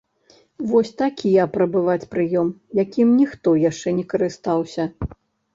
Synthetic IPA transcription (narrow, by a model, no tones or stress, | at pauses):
vɔsʲt̪akʲʰijɐpɾɐbɨvat͡sʲpɾɨjɔmjakʲimnʲixt̪ɔjaʂt͡ʂɛnʲɛkɐɾɨst̪awsʲɐ